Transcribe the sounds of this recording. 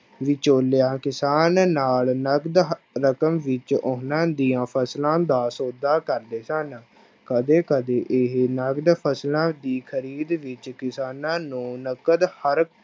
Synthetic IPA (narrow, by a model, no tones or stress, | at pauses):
ʋɪt͡ʃoːlejãːkɪsaːnːaːlnəɡd̪ | ɾəkəmʋɪt͡ʃoɦnãːd̪iːãːpʰəslãːd̪aːsoːd̪aːkəɾd̪eːsən | kəd̪eːkəd̪eːʔɪɦnəɡd̪pʰəslãːd̪iːkʰəɾiːd̪ʋɪt͡ʃkɪsaːnãːnũːnəkəd̪həɾ